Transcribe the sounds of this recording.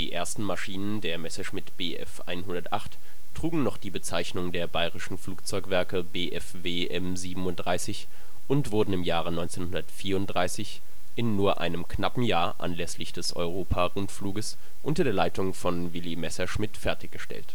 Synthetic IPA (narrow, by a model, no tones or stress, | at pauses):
d̥ḭːʔḛːɐstn̩maʃiːnəndeːɐmɛsɐʃmɪtb̥eːʔɛ̰fʔa̰ɪnɦʊndɐtʔa̰χt | tʰːʁ̥uːɡŋ̩nɔχd̥iːbət͡saɪçnʊŋdeːɐbaɪʁɪʃn̩fluːk̚t͡sɔʏkv̥ɛɐkəbeːʔɛfveːʔɛmziːbm̩ʊnt̚d̥ʁaɪsɪç | ʔʊntv̥ʊɐdn̩ɪmjaːʁ̞ənɔʏnt͡seːnhʊndɐtfiːɐʊntd̥ʁaɪsɪç | ʔɪnːuːɐʔa̰ɪnəmknapm̩jaːɐʔa̰nlɛslɪçd̥ɛsʔɔ̰ʏʁ̞oːpʰaʁʊntfluːɡəs | ʔʊntɐdeːɐlaɪtʊŋfɔnvɪlimɛsɐʃmɪtfɛɐtɪçɡ̥əʃtɛ̰lt